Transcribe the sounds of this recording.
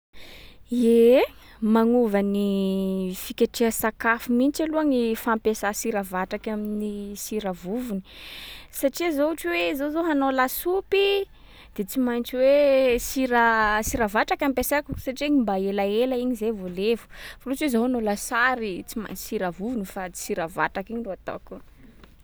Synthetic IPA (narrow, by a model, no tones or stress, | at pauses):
e | maŋuvani | fikʲaʈ͡ʂeasakafumint͡ʃaluaŋifampesasiɾavaʈ͡ʂakʲaminisiɾavuvuni̥saʈ͡ʂizouʈ͡ʂiwezozoɦanolasupi | d̪̥et͡simant͡ʃiwesiɾasiɾavaʈ͡ʂakʲampesakusaʈ͡ʂieɲimbaelaelaiɲizevolevu̥folut͡swezoɦanolasaɾit͡sima̰ɲt͡ʃi̥siɾavuvunifat͡si̥siɾava̰ʈ͡ʂakiɲiroat̪a̰ku